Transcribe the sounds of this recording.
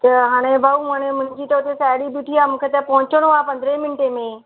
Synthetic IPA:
t̪ɐɦaːɽ̃ebaumãːɽ̃ẽmʊ̃nd͡ʑit̪ɐʊt̪esaːjɽibiʈʰiamũːkʰet̪ɐpɐɦʊ̃t͡ɕəɽ̃oaːpɐ̃nd̪ɾemɪnʈemẽ

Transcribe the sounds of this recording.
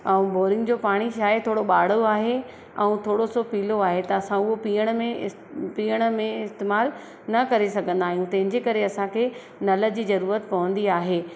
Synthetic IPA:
ɛ̃ũboːɾɪ̃ŋɡd͡ʑoːpaːɽ̃iʃaːjt̪ʰoːɽoɓaːɽ̤oaːɦe | ɛ̃ũt̪ʰoːɽosopiːloaːɦet̪ɐːsãʊɦopiːəɽ̃mẽ | piːəɽ̃əmẽɪst̪eːmaːl | nɐkɐɾesɐɡʱə̃nd̪aːɦijũt̪ɐ̃ɦɪ̃ɲd͡ʑekɐɾeɐsãkʰeː | nɐləd͡ʑiːzɐɾuːɾət̪pɐʋə̃nd̪iaːɦeː

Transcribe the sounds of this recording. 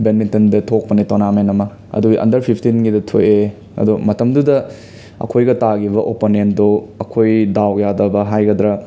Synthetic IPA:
benmintɐndɐtʰok̚pɐnetonamenɐmɐ | ɐ̰duiʔɐ̰ndɐɾpʰipʰtinɡidɐtʰoje | ɐ̰dumɐtɐmdudɐ | ɐ̰kʰojɡɐtaɡibɐʔoponendoɐkʰojdawjadɐbɐɦajɡɐd̪ɾɐ

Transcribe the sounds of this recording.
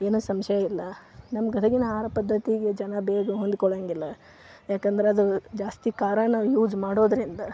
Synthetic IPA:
eːnoːsɐmʃɐjɐilːɐnɐmɐɡɐt̪ʰɐɡinɐaːɾɐpɐd̪ʱːɐt̪iɡe̞d͡ʒɐnɐbeːɡuɦond̪kɔɭaŋɡilːɐ | jaːkɐnd̪ɐɾeɐd̪ud͡ʒaːst̪ikaːɾɐnɐjuːd͡ʒmaːɽo̞ːd̪ɐɾind̪ɐ

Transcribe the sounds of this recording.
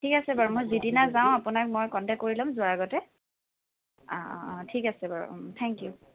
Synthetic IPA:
tʰikasɛbaɹumojzidinazaw̃apunak̚mojkɔndɛkːoɹilɔmzʊaɹaɡɔtɛ | tʰikasɛbaɹṵtʰɛŋkju

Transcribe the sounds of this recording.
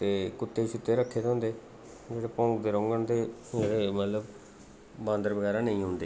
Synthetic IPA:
t̪eːkʊt̪ːeːʃʊt̪ːeːɾəkʰːeːd̪õːnd̪eː | d͡ʒeːɽeːpɔ̃ːkd̪eːɾõːŋɡəɳd̪eːeːɽeːmət̪ləb | bãːnd̪əɾbəɡɛːɾaːnəĩːɦʊ̃ːnd̪eː

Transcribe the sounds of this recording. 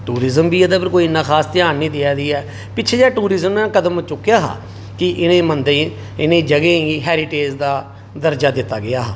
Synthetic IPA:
ʈuːɾɪzəmbiːɛd̪aːpʰɪɾkoːiɪnːãːkʰaːst̪ɪjaːnːĩːt̪ɪad̪iːɛː | pɪtːt͡ʃʰeːd͡ʒɛːʈuːɾɪzəmnãːkəd̪əmt͡ʃʊkːjaːɦa̰ː | kɪʔɪnẽːmənd̪ẽː | ɪnẽːd͡ʒəɡẽːiɦɛːɾɪʈeːd͡ʒd̪aː | d̪əɾd͡ʒaːd̪ɪt̪ːaːɡɪaːɦː

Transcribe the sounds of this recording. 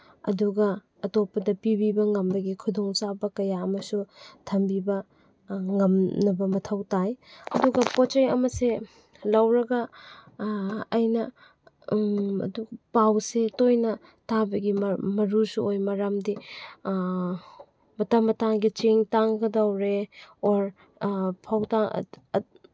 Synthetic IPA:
ɐ̰duɡɐ | ɐtopːɐdɐpibibɐŋɐmbɐɡikʰudoŋt͡ʃabɐkɐjaɐmɐsutʰɐmbibɐ | ŋɐmnɐbɐmɐtʰɐwtajɐduɡɐpot͡ʃejɐmɐse | lɐwɾɐɡɐ | jnɐ | ɐ̰dupawsetojnɐ | tʰabɐɡimɐɾusuojmɐɾamdi | mɐtɐmːɐtaŋɡit͡ʃiŋtaŋɡɐdɐwɾeoɾ | pʰawtaŋ̰

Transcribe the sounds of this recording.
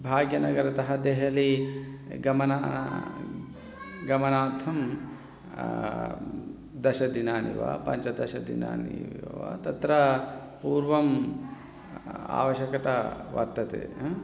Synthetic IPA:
bʱaːɡjɐnɐɡɐɾɐt̪ɐɦɐd̪eɦɐli | ɡɐmɐna | ɡɐmɐnaːt̪ʰɐm | d̪ɐʃɐd̪inaːnḭʋa̰pɐɲt͡ʃɐd̪ɐʃɐd̪ḭna̰ːnḭʋɐ̰t̪ɐt̪ɾɐpuːɾʋɐm | a̰ːʋɐʃjɐkɐt̪ɐʋɐ̰ɾt̪ːɐt̪ḛː

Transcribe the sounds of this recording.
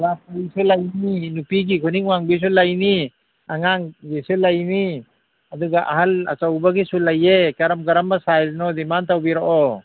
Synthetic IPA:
lapaisulajninupiɡikʰuniŋuwaŋbis̬ulajni | aŋaŋɡisulajni | ad̪uɡaʔa̰ɦala̰t͡ʃawbaɡisulajekaɾamɡɐɾambasajznɔd̪imant̪awbiɾɔʔɔ

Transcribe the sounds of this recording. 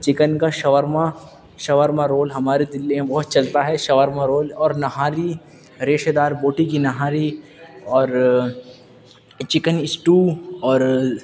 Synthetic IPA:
t͡ʃɪkənkaʃɐʋəɾma | ʃɐʋəɾmaɾoːlɦɐmaːɾed̪ɪlːẽbɐɦʊt̪̚t͡ʃɐlt̪aɦɛʃɐʋəɾmaɾoːlɔːɾnɐɦaːɾi | ɾeːʃd̪aːɾboːʈikinɐɦaːɾi | ɔːɾ | t͡ʃɪkənɪsʈuːɔːɾ

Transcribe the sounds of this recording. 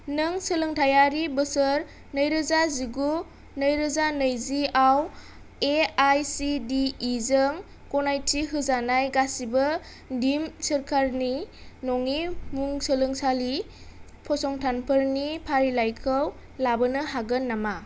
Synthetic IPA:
nɯŋsəlɯŋtʰajaɾibɯsəɾ | nəjɾɯzaziɡu | nəjɾɯzanəjziaw | eajsidiːzəŋ | kɔnajtʰiɦɯzanajɡasibə | dimsəɾkʰaɾninɔŋimuŋsəlɯŋsali | pʰɔsɔŋtʰanpʰəɾnipʰaɾilajkʰɯw | labɯnɯɦaɡɯnːama

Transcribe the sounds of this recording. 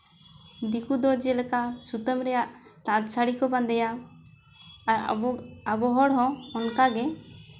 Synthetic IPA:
d̪ikud̪ɔd͡ʒɛlɛkasut̪əmɾɛjaʔt̪ãd̪saɽikɔbãnd̪ɛja | abɔɦɔɽɦɔ̃ɔnkaɡɛ

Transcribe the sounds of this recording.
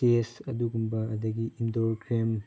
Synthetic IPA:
esɐduɡumbɐɐdɐɡiindoɾkɾem

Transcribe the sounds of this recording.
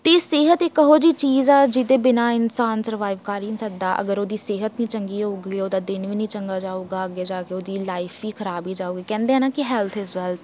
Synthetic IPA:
t̪eːseːɦət̪eːkəɦoːd͡ʒiːt͡ʃiːzaːd͡ʒɪd̪eːbɪnaːɪnsaːnsəɾəʋaːɪʋkaːɾiːnsək̚d̪aːʔə̰ɡəɾoːd̪iːseːɦət̪nĩːt͡ʃəŋɡiːoːɡiːoːd̪aːd̪ɪnʋiːnĩːt͡ʃəŋɡaːd͡ʒaːoːɡaːəɡeːd͡ʒaːkeːoːd̪iːlaːɪfʰʋiːkʰəɾaːbiːd͡ʒaːoːɡiːkɛ̃ːnd̪eːaːnaːkɪɦɛːlt̪ʰɪsʋɛlt̪

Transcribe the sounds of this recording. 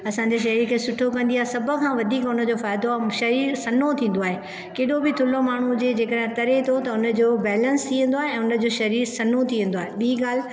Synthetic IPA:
ɐsãɲ̆d͡ʑeʃ̬ɐɾiːɾkʰeːsʊʈʰokɐ̃nd̪iaːɦesɐb̆ʱkʰãːʋɐd̪ʱiːkʊnə̆d͡ʑofaːɪd̪oʃɐɾiːɾsɐnot̪ʰĩːn̆d̪oaːɦe | keːɗobɪt̪ʰʊlomaːɳ̤ud͡ʑeːd͡ʑeːkəɗɦẽt̪ɐɾet̪ʰot̪ɐʊnə̆d͡ʑoːbɛːlə̃nst̪ʰiːə̃n̆d̪oaːɦeɛ̃ːʊnəd͡ʑoːʃɐɾiːɾsɐnot̪ʰiʋẽn̆d̪oaːɦeɓiːɡaːl̤

